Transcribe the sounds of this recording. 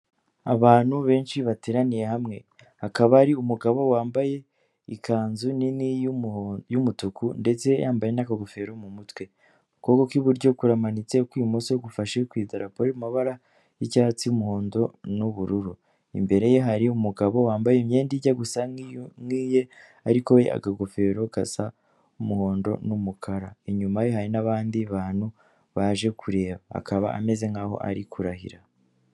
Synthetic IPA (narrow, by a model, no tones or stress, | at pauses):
a̰βaːn̥huβe̞ːnʃiβateːɾanije̞hamŋe̞̰ | hakaβaɾiumuɡaβo̞waːmbaje̞ | ikʰaːnzunini | jumutukʰunde̞t͡se̞jaːmbaje̞nakaɡofe̞ɾomumutwe̞ | kokokwiβuɾɟo̞kuɾamanit͡se̞kwiːmosooɡufaʃekwiːzaɾapoɾimaβaɾa | jicaːhat͡sijumuhoːndo̞nuβuɾuɾu | ḭmbe̞ɾe̞jeɦaɾiumuɡaβo̞waːmbajemɲeːndiɟaɡusaŋiːje̞ | aɾiko̞wḛʔa̰ɡaɡo̞fe̞ɾo̞ɡ̥asa | umuho̞ːndo̞̰numukʰaɾaiɲumajehaɾinaβaːndiβaːn̥hu | βaʒe̞kʰuɾe̞ːβaa̰kʰaβa̰ʔa̰me̞ze̞ŋaːho̞̰ʔa̰ɾikʰuɾahḭɾa